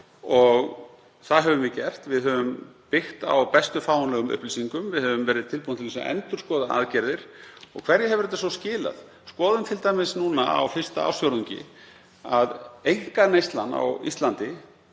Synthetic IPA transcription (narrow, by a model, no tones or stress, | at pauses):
ɔɣ | θaðɦɛvʏmvɪðcɛr̥t̪vɪðɦœvʏmpɪxt̪a̰wpɛst̪ʏfaːwanlɛɣʏmʏ̰hpliːsiŋkʏmvɪðhɛvʏmvɛːɾɪðt̪ʰɪlpunt̪ʰɪlɛsa̰ʔɛ̰nt̪ʏɾ̥skɔːðaʔa̰ðcɛɾðɪɾ̥ɔ̰ɣkʰv̥ɛɾjɪɦɛvʏɾɛt̪ːas̬ɔscɪːla̰ð̥ | skɔːðʏmt̪ʰɪlt̪aːjmɪsnunaa̰wfɪr̥st̪aa̰wsjowɾuɲcɪ̰ | aðejŋ̥kanejst̪lanːa̰wḭst̪lant̪ɪ